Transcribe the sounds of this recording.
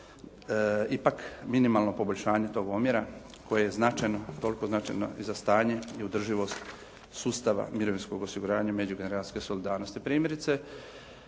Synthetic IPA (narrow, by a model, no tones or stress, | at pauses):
ipakminimalˠnopo̞bo̞ʎʲʃaːɲe̞t̪o̞ːɡomjeɾa | kʰo̞jejeznat͡ʃajnot̪o̞liko̞znat͡ʃa̰jno̰izast̪aːɲe̞iud̪r̩ʒiʋo̞st̪ | suːst̪aʋa̰miɾo̞ʋinsko̞ɡosiɡuɾaːɲame̞d͡ʑuɡeneɾat̪i̥ske̞so̞lid̪aːɾnost̪ipɾiːmjeɾit̪se̞